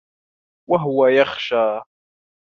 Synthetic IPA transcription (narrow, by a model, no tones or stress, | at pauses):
waɦʊwajɑχʃaː